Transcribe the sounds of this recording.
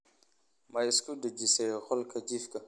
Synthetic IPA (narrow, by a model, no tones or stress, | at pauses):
majskudəd͡ʒisɛjxɔlkʰɐd͡ʒifkɐ